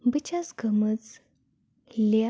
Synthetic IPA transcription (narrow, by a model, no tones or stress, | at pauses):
bit͡ɕasɡəmət͡s | lja